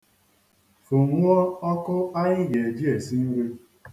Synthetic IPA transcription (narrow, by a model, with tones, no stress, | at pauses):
fo˨ŋʷ˦ɔ˦ɔ˦kʊ˦a˦ɪ˦je˨d͡ʒi˦e˨si˦ŋ̩˦ɡʷe˦